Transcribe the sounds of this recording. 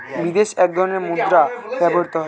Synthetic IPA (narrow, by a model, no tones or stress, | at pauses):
bid̪eʃɛk̚d̪ʱɔɾoneɾmud̪ɾabɛboɾt̪oɦɔ